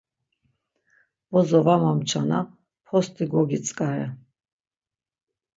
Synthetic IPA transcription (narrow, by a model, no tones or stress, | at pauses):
b̥ɔzɔvamamt͡ʃʰana̰ | pʰɔst̪ʼiɡɔɡit͡sʼkʼaɛ̰